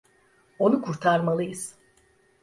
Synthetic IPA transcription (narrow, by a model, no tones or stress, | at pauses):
o̞nukʰuɾt̪ʰaɾmalˠɯjɯz̥